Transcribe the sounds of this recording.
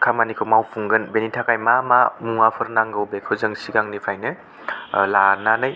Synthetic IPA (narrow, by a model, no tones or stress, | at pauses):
kʰamanikʰɯwmawpʰuŋɡɯnbenitʰakajmama̰muŋapʰɯɾnaŋɡɯwbekʰɯzɯŋsiɡaŋnipʰajnɯ | lananɯj